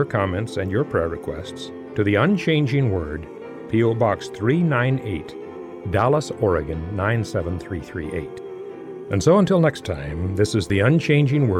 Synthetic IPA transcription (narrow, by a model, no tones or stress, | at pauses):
ə˞kʰɑmɛ̃ntsɨ̃njə˞pʰɹ̥ɛɹɨkʰw̥ɛ̰sts | tʰɨðiə̃nt͡ʃʰẽɪ̃nd͡ʒɪ̃ŋwɜ˞d̚ | pʰioʊbɑksθɹinãɪ̃nḛɪt | d̥ælˠəsɔɹɨɡɨ̃nːãɪ̃nsɛvə̃n̩θɹiθɹḭʔḛɪt | ʔɨ̃nsoʊə̃ntʰɪlˠnɛkstʰã̰ɪ̃mðɪsɨzðiʌ̃nt͡ʃʰẽɪ̃nd͡ʒɪ̃ŋwɜ